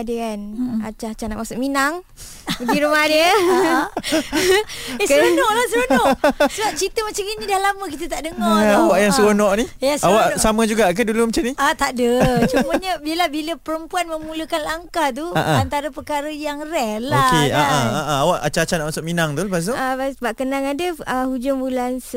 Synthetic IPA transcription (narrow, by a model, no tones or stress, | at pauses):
adəkana̰t͡ʃat͡ʃana̰ʔmasʊʔminaŋ | bəɡiɾumadə | ekəɾonɔʔlasəonɔʔsəbap̚t͡ʃit̪əmat͡ʃaŋinidahlamək̬it̪ət̪aʔdəŋɔawaʔjaŋsəɾonɔʔnijasawaʔsamə̃d͡ʒuɡaʔkədulumat͡ʃamniat̪adət͡ʃuməɲəbiəlahbiləpəɾəmpuanməmuləkanlaŋkaht̪̬ua̰ʔaant̪aɾəpərkaɾəjaŋrɛhloakeaʔaaʔaawaʔat͡ʃat͡ʃanaʔmasʊʔ̚minaŋt̪ulbasuabasəbaʔkənaŋadəəhud͡ʒaŋbulans